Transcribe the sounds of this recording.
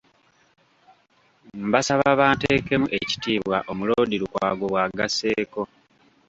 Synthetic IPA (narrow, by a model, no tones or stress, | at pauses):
m̩basaβaβaːnteːke̞muʔe̞ci̥tiːβwaʔo̞muloːdiɾukwaːɡo̞βwaːɡase̞ːko̞